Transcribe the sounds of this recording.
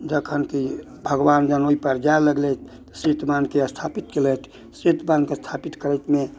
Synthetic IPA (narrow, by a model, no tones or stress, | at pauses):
d͡ʒəkʰənki | bʱəɡʋand͡ʒənoipəɾd͡ʒaeləɡlet̪̚ʰ | sit̪mankest̪ʰapit̪kelət̪ʰ | sit̪bankest̪ʰapit̪kəɾəjt̪me